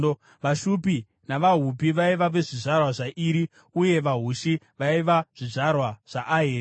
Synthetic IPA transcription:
o | ʋaʃupi | naʋaɦup̬iʋaiʋaʋeʐiʐarwaʐaʔiɾi | uje̞ʋaɦuʃi | ʋaiʋaʐ̥iʐarwaʐ̥aʔːɦeːɾ

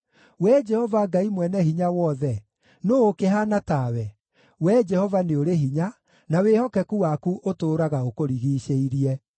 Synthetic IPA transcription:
wɛd͡ʒɛhɔvaɡaimwɛnɛɦiɲawɔðɛ | noːkeɦanatawɛ | wɛd͡ʒɛhɔvaneoɾeɦiɲa | nawehɔkɛkuwakuʔotoːɾaɣaokoɾiɣiːɕeiɾiɛ

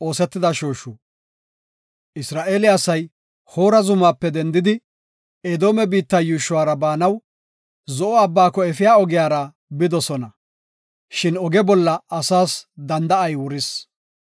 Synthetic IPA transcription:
o̞ːsɛt̪ːɪd̪ɐʃoːʃu | ɪsɾaːʔeːlɪɐsɐj | ho̞ːɾɐzʊmaːpːɛd̪ɛnd̪ɪd̪ɪ | ed̪o̞ːmɛbiːt̪ːɐjuːʃʊwaːɾɐbaːnɐw | zɔʔɔɐbːaːkːɔɛfɪjaːɔɡɪjaːɾɐ | bɪd̪ɔsɔnɐ | ʃɪnɔɡɛbɔlːɐɐsaːsd̪ɐnd̪ɐɐjwʊɾɪs

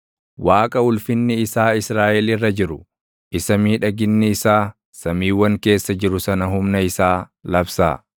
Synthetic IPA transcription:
waːkʼɐʊlfɪnːɪɪsaːɪsɾaːʔɛlɪrːɐd͡ʒɪɾʊ | ʔɪsɐmiːᶑɐɡɪnːɪɪsaː | sɐmiːwːɐŋke̞ːsːɐd͡ʒɪɾʊsɐnɐɦʊmnɐɪsaːlɐbsa̰ː

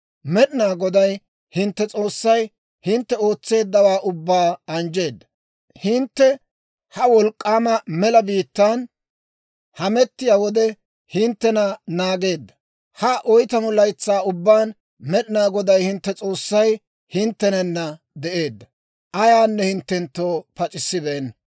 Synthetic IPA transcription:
mɛɗɪnaːɡɔd̪ɐj | hɪnt̪ːɛt͡sʼo̞ːsːɐj | hɪnt̪ːɛo̞ːt͡sːe̞ːd̪ːɐwaːʔʊbːaːɐnd͡ʒe̞ːd̪ːɐ̥ | hɪnt̪ːɛ | hɐwɔlkʼːaːmɐmɛlɐbiːt̪ːan | hɐmɛt̪ːɪjaːwɔd̪ɛ | hɪnt̪ːɛnɐnaːɡe̞ːd̪ːɐ̥ | hɐʔɔjt̪ɐmɔlɐjt͡sːaːʊbːaːn | mɛɗɪnaːɡɔd̪ɐjhɪnt̪ːɛt͡sʼo̞ːsːɐj | hɪnt̪ːɛnɛnːɐ | d̪ɛʔe̞ːd̪ːɐ | ʔɐjaːnːɛhɪnt̪ːɛnt̪ːoːpɐt͡ʃʼɪsːɪbɛːn

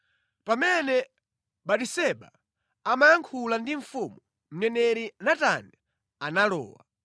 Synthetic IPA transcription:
pamɛnɛ | ɓaɗisɛɓa | amajaŋkʰulandiɱ̩fumu | m̩nɛnɛɾinatana | analɔ̰ːwa̰

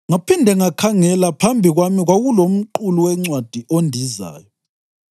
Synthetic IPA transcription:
ŋapindʱɛŋakʰaŋɛlapʰambʱiɣwamiɣwaɣulom̩ǃuluwɛŋ͡ǀwad̥ʱiʔondʱiza̰ːjɔ

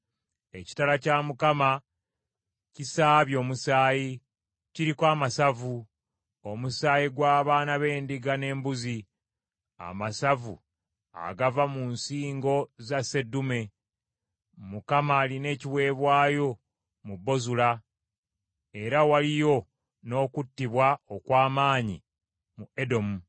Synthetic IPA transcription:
e̞ci̥talacamukama | cisaːβjo̞ːmusaːji | ciɾikwaːmasavu | o̞musaːjiɡwaːβaːnaβe̞ːndiɡane̞ːmbuzi | a̰masavṵ | a̰ɡavamunsiːŋɡo̞zase̞dume̞ | mukamaːline̞ːciβwe̞ːβwaːjo̞ | mubːo̞zula | e̞ɾawalijo̞ | no̞ːkutːiβwaokwaːmaːɲḭ | mue̞do̞mu

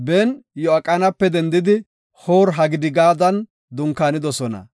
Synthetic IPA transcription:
bɛnjɔɐkʼːɐnɐpːɛd̪ɛnd̪ɪd̪ɪ | hoːɾɦɐɡɪd̪ɪɡaːd̪ɐn | d̪ʊŋkːaːnɪd̪ɔsɔnɐ̰

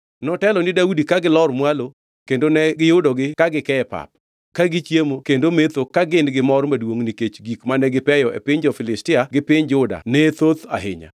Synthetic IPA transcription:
nɔtɛlɔnɪdaudikaɡɪlɔrmwalo | kendonɛɡɪjʊdɔɡɪkaɡɪkɛɛpa̰p̚ | kaɡɪt͡ʃjemokendomet̪okaɡɪndɡɪmɔrmadwoŋniket͡ʃɡikmanɛɡɪpɛjɔʔɛ̰pɪɲd͡ʒɔfɪlɪstɪaɡɪpɪɲd͡ʒʊda̰nɛt̪ot̪a̰ɦɪ̰ɲa̰

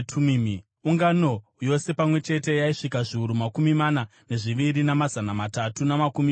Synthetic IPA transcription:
tʰumm | uŋɡano̞jo̞se̞pamwe̞t͡ʃe̞te̞jaiʂikaʐiuɾumakumimanane̞ʐiʋiɾinamazanamatatunamakumi

